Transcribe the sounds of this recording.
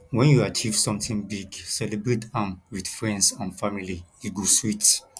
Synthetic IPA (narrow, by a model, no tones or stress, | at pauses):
wɛ̃njuat͡ʃʰiv̥sɔ̃mtĩŋbiɡsɛlebɹetʰãmwidfɹɛ̃ndsãnfamilijuɡoswit